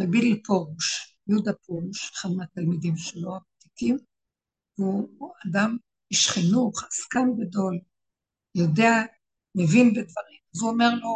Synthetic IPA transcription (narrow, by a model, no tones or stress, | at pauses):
mebidlpoʁuʃ | jud̪apoʁuʃeχad̪meat̪almid̪imʃeloabat̪ikim | vuadam | iʃχinuχaskanɡado̞l | jo̞dea | mevinbed̪vaʁimazuomeʁlo̞